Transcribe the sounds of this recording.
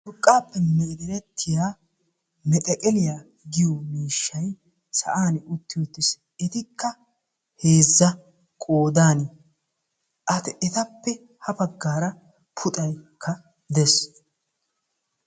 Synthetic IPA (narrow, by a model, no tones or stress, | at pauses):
ʊɾkʼːaːpːɛmɛɪd̪ɪɾɛt̪ʰːɪjaː | mɛt̪ʼɛkʼɛlɪjaː | ɡɪjomiːʃːɐj | sɐ̰ʔaːnʊt̪ːɪjɔt̪ːɪs | ɛt̪ɪkʰːɐ | heːzːɐ | kʼoːd̪aːnɪ | ʔɐt̪ɪʔɛt̪ɐpːɛ | hɐbɐɡːaːɾɐ | pʰʊt̪ʼɐjkʰːɐ | d̪ɛs